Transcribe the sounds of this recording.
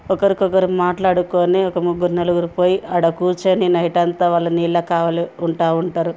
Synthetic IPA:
ɔkɐɾikɔkɐɾimaːʈlaːɽukoːniɔkɐmuɡːuɾnɐluɡuɾupoːjiʔɐɽɐkuːt͡ʃeːninɐjiʈɐnt̪ɐʋaːlːɐniːlːɐkaːʋaːliuɳʈaːuɳʈaːɾu

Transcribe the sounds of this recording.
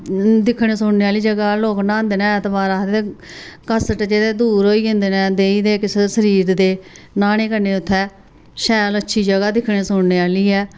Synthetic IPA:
d̪ɪkʰːɽ̃eːsʊɳneːaːliːd͡ʒəɡaːloːknaːnd̪eːnɛ̃ːt̪baːɾaːd̪eːe | kəsəʈd͡ʒeːd̪eːd̪uːɾɦoːiːɦẽnd̪eːnɛ̃ːd̪eːiːd̪eːkɪsesəɾiːɾd̪eː | naːñeːkəɾneːʊt̪ʰːɛː | ʃɛːlətːʃʰiːd͡ʒəɡaːd̪ɪkʰɽeːsʊɳneːaːliːɛː

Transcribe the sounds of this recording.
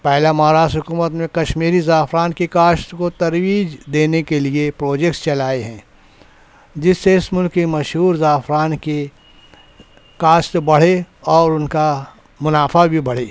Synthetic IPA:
pɛɦlamaɦaɾaːʃt̪ɦʊkuːmət̪mẽkɐʃmiːɾizaːfʰɾaːnkekaːʃt̪kot̪ɐɾwiːd͡ʒd̪eːnekeliepɾoːd͡ʒek̚ʈst͡ʃɐlaːeɦɛ̃ː | d͡ʒɪsːeɪsmʊlkːemɐʃɦuːɾzaːfɾaːnke | kaːʃt̪bɐɽ̤e | ɔːɾʊnka | mʊnaːfʰabʱibɐɽ̤eː

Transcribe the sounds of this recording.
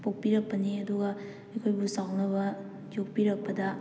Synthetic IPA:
pok̚piɾɐk̚pɐniɐd̪uɡa | ɐjkʰojbusawnɐβɐ | d͡ʒok̚piɾɐk̚pɐdɐ

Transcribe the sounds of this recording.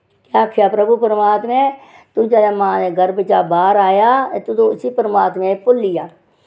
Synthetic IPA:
kjaːkʰːjaːpɾəbupəɾəmaːt̪mẽ | t̪ʊ̃t͡ʃaːjaːmãːneːɡəɾbət͡ʃaːbaːɾaːjaːet̪ut̪õʊsipəɾəmaːt̪mẽpʊlːɪjaː

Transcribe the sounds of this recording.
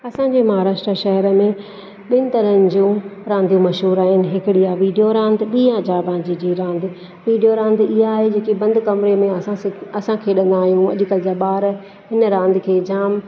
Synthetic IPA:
ɐsãɲd͡ʑeːmɐɦaːɾaːʃʈɾəʃɐɦɛɾəmẽ | ɓɪnɪ̆t̪ɐɾənɪ̆d͡ʑũɾãːnd̪ʱijũmɐʃɦuːɾaːɦɪnɪ̆ɦɪkɪɽijaʋiːɖijoɾãːnd̪ɓiːãd͡ʑaːbãːd͡ʑid͡ʑiɾãːnd̪ | ʋiːɖijoɾãːnd̪ʱɪɦaːɦed͡ʑeːkibɐ̃nd̪kɐmɪɾemẽɐsãsɪɐsãkʰeːɗɐ̃nd̪aːɦijũɐ̰ʄʊ̆kəlɪd͡ʑaɓaːɾ | ɦɪnəɾãːnd̪ʱɪkʰeːd͡ʑaːm

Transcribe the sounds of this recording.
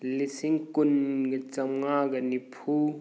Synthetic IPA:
lisiŋkunɡit͡ʃɐmŋaɡɐnipʰu

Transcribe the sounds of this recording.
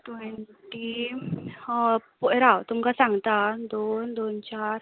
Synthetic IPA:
ʈwɛɳʈi | pɔɾawt̪umkasãŋɡt̪ad̪ond̪ont͡ɕaɾ

